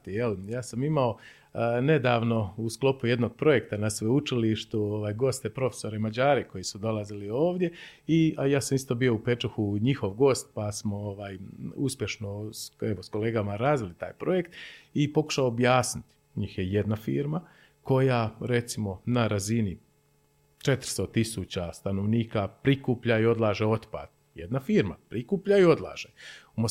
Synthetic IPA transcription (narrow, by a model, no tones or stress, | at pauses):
t̪ijeljaːsamimao̞ | ne̞d̪aːʋno̞usklˠo̞puje̞d̪noɡ̚pɾo̞je̞kt̪anasʋeut͡ʃiliʃt̪uoʋaːjɡo̞st̪epɾo̞fe̥so̞ɾemad͡ʑaːɾeko̞jisud̪o̞lazilio̞ːʋd̪je̞iajaːsamist̪o̞bio̞upet͡ʃuxuɲixo̞ʋɡo̞ːst̪̚pasmo̞oʋaːjuspje̞ʃno̞se̞ʋo̞sko̞leːɡamaɾaːzʋilit̪a̰ːjpɾo̞jekt̪ipo̞ku̥ʃaoːbjaːsnit̪ | ɲiːxje̞je̞d̪nafiːɾma | ko̞jaɾe̞t̪simo̞naɾazini | t͡ʃe̞t̪ɾ̥st̪o̞t̪isut͡ɕast̪anoʋniːkapɾikuːpʎaio̞d̪lˠaːʒeo̞t̪pa̰ːd̪ | jed̪nafiːɾma̰pɾikuːpʎaio̞d̪la̰ːʒ̥eumo